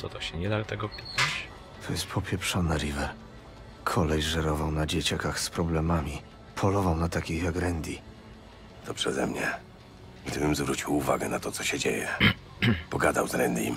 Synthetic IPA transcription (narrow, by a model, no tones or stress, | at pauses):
ɔt̪ɔɕɛɲɛd̪alt̪ɛɡɔpt̪a | t̪ʰɔjɛst̪̚pʰɔpʲjɛpʂɔnɛɾivɛɾ | kʰɔlɛjʐɛɾɔvawnad͡ʑet͡ɕakaxspɾɔblɛmamʲi | pʰɔlɔvawnat̪akʲixjaɡɾɛnd̪ʲi | t̪ɔpʂɛzɛmɲɛ | ɡd̪ɘbɘmzvɾut͡ɕiwuva̰ɡɛnat̪ɔt̪sɔɕɛd͡ʑejɛ | pɔɡad̪awzɾɛnd̪ʲjḭm